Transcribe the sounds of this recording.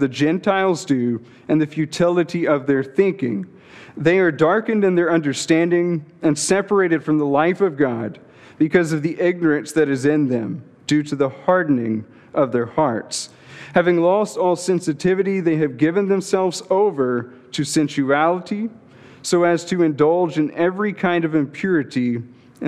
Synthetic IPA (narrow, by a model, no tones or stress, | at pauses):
ðɨd͡ʒɛ̃ntʰaɪlˠzdʉ | ɨ̃nðɨfjʉtʰɪlˠəɾiʌvðə˞θɪ̃ŋkɪ̰̃ŋ | ðeɪə˞dɑɹkɨ̃ndɨ̃nðə˞ʌ̃ndə˞stæ̃ndɪ̃ŋɨ̃nsɛpə˞eɪɾɨd̥fɹʌ̃mðəlaɪfʌvɡɑd̚ | b̥ɨkʰʌzʌvðiʔɪɡ̚nə˞ɨ̃nsðɨɾɨzɪ̃nðɨ̰̃m | d̥ʉɾɨðəhɑɹdⁿn̩ɪ̃ŋ | ʔʌvðə˞hɑɹts | hævɪ̃ŋlɔstɔlˠsɛ̃nsɨtʰɪvɨɾiðeɪɨvɡɪvɨ̃nðɨ̃msɛlˠvzoʊvə˞ | ɾɨsɛ̃nʃʉælˠəɾi | soʊɨz̥tʰɨɨ̃ndʌlˠd͡ʒɨ̃nɛvɹikʰãɪ̃ndʌvɨ̃mpʰj̥ʊɹɨɾĩ